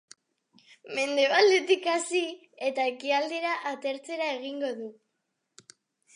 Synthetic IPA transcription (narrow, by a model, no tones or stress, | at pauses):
me̞nd̪e̞βald̪et̪ikasi | e̞t̪aekiald̪e̞ɾaʔat̪e̞ɾt͡se̞ɾae̞ɣ̞iŋɡo̞ðu